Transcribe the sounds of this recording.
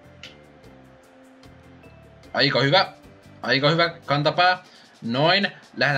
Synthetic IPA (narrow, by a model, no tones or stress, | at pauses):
ʔɑ̰jkɑhyʋæ | ʔɑjkɑhyʋækɑnt̪ɑpɑː | noinlæhe